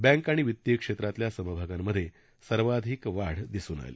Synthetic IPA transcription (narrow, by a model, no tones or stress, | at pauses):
bɛ̃ŋkaɽ̃iʋit̪jekʂet̪ɾat̪ljasəməbʱaɡamːəd̪ʱːje | səɾʋad̪ʱiːkʋaɽd̪isuːna̰jlḛ